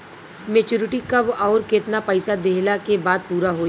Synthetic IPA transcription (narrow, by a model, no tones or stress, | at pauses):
meːt͡ʃuːɾɪʈikabɔːɾkɪt̪napəɪsad̪eːlakebaːd̪̚puːɾaɦoː